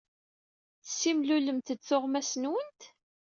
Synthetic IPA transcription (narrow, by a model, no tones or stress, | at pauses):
θə̥sːimluləmt̪ət͡sːʊʁmæsnwənt̪